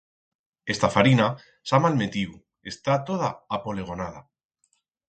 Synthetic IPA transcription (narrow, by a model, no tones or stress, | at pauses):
e̞st̪afaɾina | samalme̞t̪iu | e̞st̪at̪o̞ð̞aapo̞le̞ɣ̞o̞nað̞a